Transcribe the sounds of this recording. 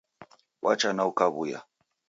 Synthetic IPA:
wʔat͡ʃanaukaβuja̰

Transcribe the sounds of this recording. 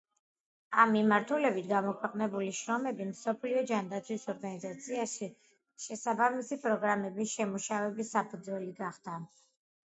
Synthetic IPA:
amːimaɾt̪ʰulɛbit̪ʰɡamɔkʰwɛqʼnɛbuliʃɾɔmɛbimsɔpʰliɔd͡ʒand̪at̪sʰwisɔɾɡanizat̪sʰiaʃi | ʃɛsabamisipʼɾɔɡɾamɛbisʃɛmuʃavɛbisapʰud̪zwɛliɡaχd̪̥a

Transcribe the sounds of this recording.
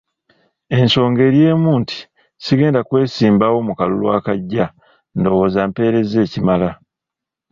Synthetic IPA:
e̞nso̞ːŋɡe̞ɾje̞ːmuːntʰi̥ | siɡe̞ːndakwe̞ːsiːmbawo̞ːmukalṵlwaːkaɟːa | ndo̞wo̞ːzampe̞ːɾe̞ze̞ːcimala

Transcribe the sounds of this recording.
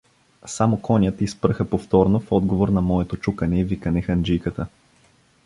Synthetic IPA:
samokɔnʲət̪ispɾɤxəpoft̪ɔɾnofɔd̪ɡovoɾnɐmɔɛt̪ot͡ʃukɐnɛivikɐnɛxɐnd͡ʒijkət̪ə

